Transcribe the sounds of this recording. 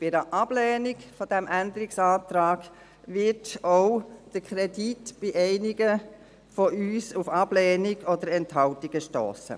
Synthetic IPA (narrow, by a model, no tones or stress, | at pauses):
b̥ɪdəʔɑb̥lɛːniɡfodæmʔænd̪əɾiksɑːtɾaːɡ̥ | ʋɪtoʊd̥əkχɾɛditb̥iʔɛɪniɡə | fɔʔyːsufɑb̥lɛːniɡɔdəɾɛnthɑʊtiɡ̥əʃto̰ːsə̰